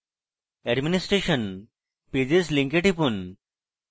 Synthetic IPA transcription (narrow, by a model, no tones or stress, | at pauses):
ɛɖminisʈɾeʃən | ped͡ʑesliŋkeʈipun